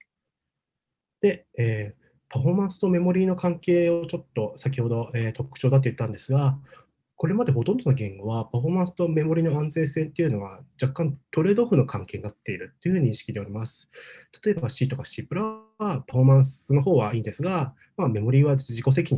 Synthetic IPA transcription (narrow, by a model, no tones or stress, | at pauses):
d̪̥e̞ː | paɸo̞ːmãɰ̃sɨ̥t̪o̞me̞mo̞ɾʲiːno̞kãŋke̞ːot͡ɕo̞t̪ːo̞sak̬ʲiho̞d̪o̞eːt̪o̞kɯ̟̥t͡ɕo̞ːd̪at̪̬ːji̟t̪ːãnd̪e̞sɨɡa | ko̞ɾe̞mad̪e̞ɦo̞t̪ond̪o̞naɡẽ̞ŋɡo̞βapaɸo̞ːmãɰ̃sɨ̥t̪o̞me̞mo̞ɾʲino̞ãnd͡ze̞ːse̞ːt̪ːe̞iɯ̟no̞βad͡ʑakːãnt̪o̞ɾe̞ːd̪oɸɯ̟no̞kʰãŋke̞ːɲinat̪ːe̞iɾɯ̟t̪ːeiɯ̟ɯ̟ɲ̟ĩɕi̥kʲid̪e̞oɾʲimasɨ̥t̪ḁt̪o̞e̞baɕiːt̪o̞kaɕiːpɯɾa | βapaɸo̞ːmãɰ̃sɨno̞ɦo̞ːβaiːnd̪e̞sɨɡa | mame̞mo̞ɾʲiːβad͡ʑʑiko̞s̬e̞kʲiɲ̟i